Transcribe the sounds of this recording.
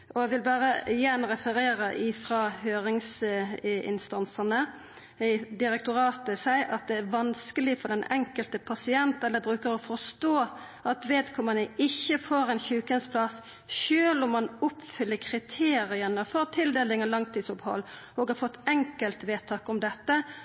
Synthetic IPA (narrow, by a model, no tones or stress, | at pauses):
ʔɔæʋɪlbɑːɾəjænɾɛfəɾeːɾəʔɪfɾɑhøːɾɪŋs | ɪ̰nst̪ɑnsənə | d̪ɪɾɛk̚t̪ʊɾɑːt̪əsæɪʔɑt̪̚d̪ɛæɾʋɑnskəlɪfɔd̪ɛnɛŋkəlt̪əpʰɑsɪɛnt̪ɛlːəbɾʉːkəɾɔfɔɾst̪oː | ʔɑt̪ʋeːd̪kʰɔmənəɪçːəfoːɾɛnçʉːkənspʰlɑs | ʃøːlʊmːɑnʊpfʏlːəkʰɾɪt̪ʰeːɾɪənəfɔɾt̪ʰɪld̪eːlɪŋəlɑŋt̪ʰiːd̪sʊphɔ̰lː | ɔːɡɑɾfɔt̪ːɛŋkəlt̪ʋeːt̪ʰɑːkɔmd̪ɛt̪ːə